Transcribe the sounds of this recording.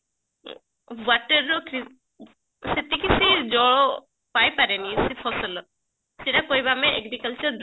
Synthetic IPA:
waʈəɾːɔkɾi | set̪ikisid͡ʒɔɭɔ | pajpaɾenisipʰɔsɔlɔ | siɾakojbameʔeɡɾikalt͡ʃɔɾd̪

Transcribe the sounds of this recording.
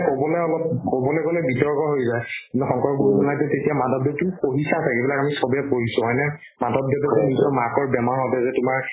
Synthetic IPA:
kobɔlɛɔlɔp̚kobɔlɛkolɛbitɔɹkɔɦojzajkintuxɔ̃ŋkɔɹɡuɹuzɔnajtʊtetijamadɔb̚detuʊkoɦisasɛkebilakamisɔbjɛt̚boɦisʊ̃ɦɔjnɛ | madɔb̚detɛzɛnisɔmakɔɹbɛmaɹɦɔtɛzɛtʊmaɹ

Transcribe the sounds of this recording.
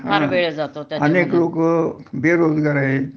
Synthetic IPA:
ɦaaʋeɭd͡zat̪oɐneːkloːkbeːɾoːd̪ɡaɾae

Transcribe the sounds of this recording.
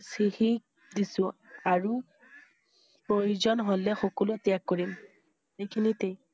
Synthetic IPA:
sixik̚ | disʊ̃aɹu | pɹojuzɔnɦolɛxɔkɔlʊtijakːoɹim | ejkʰinitej

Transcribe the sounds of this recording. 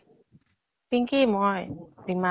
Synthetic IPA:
piŋkiːmɔjdiŋma

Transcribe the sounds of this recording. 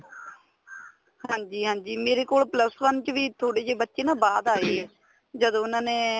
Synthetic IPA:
hãːɲd͡ʒiːɦãːɲd͡ʒiːmeːɾeːkoːlpləsʋənt͡ʃʋiːt̪ʰoːɽeːd͡ʒeːbətːʃeːnãːbaːd̪aːiːɛː | d͡ʒəd̪õːʊnãːnẽː

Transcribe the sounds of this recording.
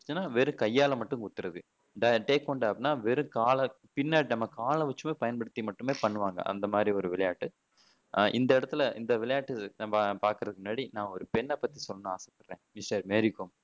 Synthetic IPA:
t͡ʃːɯnːaːʋɛɾɯ̃kɐjːaːlɐmɐʈːɯ̃ŋkʊt̪ːɯɾɐðɯ | ɖɐʈeːkʋɔɳɖaːpnːaːʋɛɾɯ̃kaːlɐ | pɪnːaːʈnɐmːɐkaːlɐ̃ʋɛt͡ʃːɯmeːpɐjɐnpɐɽɯt̪ːimɐʈːɯmeːpɐɳːɯʋaːŋɡɐ̰ʔɐ̰nd̪ɐmaːd̪ɾiɔɾɯʋɪɭɐjaːʈːɯ | ʔɪnd̪ɐɪɽɐt̪ːɪlɐɪ̰nd̪ɐʋɪɭɐjaːʈːɯapaːɾkɯɾɐðɯkːmnːaːɽinãːɔɾɯpɛnːɛpːɐt̪ːisɔlːɐnːɯaːsɐpːɐɽɾẽːmɪsʈɐɾmeːɾɪkːom

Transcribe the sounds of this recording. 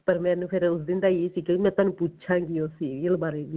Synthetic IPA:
pəɾmɛ̃ːnũːpʰɪɾʊsd̪ɪnd̪aːeːsiːkemɛ̃ːt̪aːnũːput͡ʃʰãːɡiosiːlbaːɾeːdiː

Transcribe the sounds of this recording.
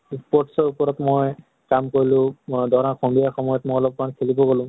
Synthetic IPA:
spɔtsɔɹupɔɹɔtmoj | kamkoɹilʊ̃dʱɔaxɔmbijaxɔmɔjɔtmojɔlɔb̚kɔankʰelibɔɡolʊ̃m

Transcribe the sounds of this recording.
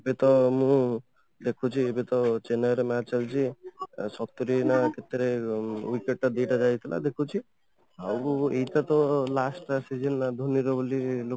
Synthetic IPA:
bet̪ɔmũ | d̪ekʰut͡ʃʰiebet̪ɔt͡ʃenaɾemɛat͡ʃalt͡ʃʰisɔt̪ɔɾinakʰet̪ɾewikeʈ̚ʈad̪ejʈad͡ʒajt̪ʰilʔa̰d̪ekʰut͡ʃʰi | a̰wejt̪at̪ɔlasʈsid͡ʒenːad̪ʱuniɾɔbolilo

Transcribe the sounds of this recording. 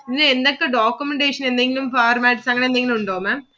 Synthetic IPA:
nːɐɛnd̪ɐkːɨɖaːkːumɛɳɖeːʂɐnɛnd̪ɐŋɡɪlumfaːɾmaːʈɪsaːŋɡɐɳɐend̪eɐŋɡɪlumʊɳɖoːmɐ

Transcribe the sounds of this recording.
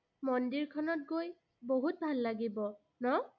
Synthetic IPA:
mɔndiɹkʰɔnɔt̚ɡoj | boɦut̚bʱalːaɡibɔ | nɔ

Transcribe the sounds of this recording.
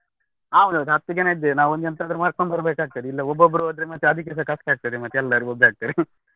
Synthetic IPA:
aːond̪ud̪ɦɐt̪ːud͡ʒɐnaid̪ːenaːʋond̪ɛnt̪aːd̪ɐɾumaːɾk̚foːmbɐɾbeːkaːɡ̚t̪id̪iilːɐɔbːobːɾuod̪ɾemɐt̪ːeɐd̪ʱik̬ɛs̬ɐkɐskaːɡ̚t̪id̪emɐt̪ːjɛlːɐɾuɔbaːɡ̚t̪iɾi

